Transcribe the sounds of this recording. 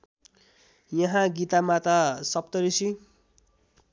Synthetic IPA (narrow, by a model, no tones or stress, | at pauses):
jʌɦãɡit̪amat̪asʌp̚t̪ʌɾisi